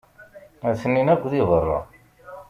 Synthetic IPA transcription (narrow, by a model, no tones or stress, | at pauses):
æθənːinækʷːðiðˤərˤːɑ̰